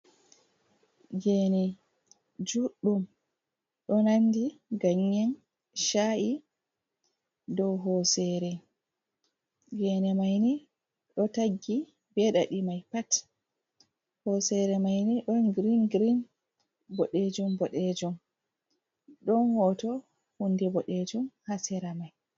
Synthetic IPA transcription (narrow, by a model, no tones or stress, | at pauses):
ɡɛnɛ | d͡ʒuɗːum | ɗɔnandiɡaɲːɛn | ʃaʔi | dɔwɦɔsɛɾɛ | ɡɛnɛmajni | ɗɔtaɡːi | bɛɗaɗimajpat | hɔsɛɾɛmajniɗɔnɡɾinɡɾin | bɔɗed͡ʒumbɔɗɛd͡ʒɔm | ɗɔnhɔtɔ | hundɛbɔɗɛd͡ʒɔmhasɛɾamaj